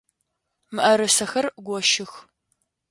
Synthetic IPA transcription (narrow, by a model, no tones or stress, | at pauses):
mɨʔɐɾɨsɐxɐrɡʷɔʃɪx